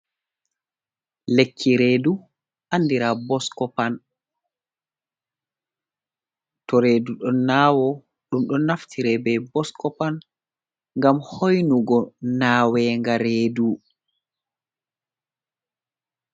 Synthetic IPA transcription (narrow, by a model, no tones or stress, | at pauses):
lekʰːiɾeːdu | ʔanːdiɾabɔskɔpan | tɔɾeːduɗɔnːawɔ | ɗumɗɔnaftʰiɾɛbɛbɔskɔpan | ŋɡamhojnuɡɔnaːwɛːŋɡaɾeːdu